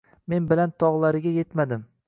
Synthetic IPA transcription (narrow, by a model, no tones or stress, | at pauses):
me̞nbɪlant̪ʰɒʁlˠaɾɪɡʲaje̞t̪mad̪ɪm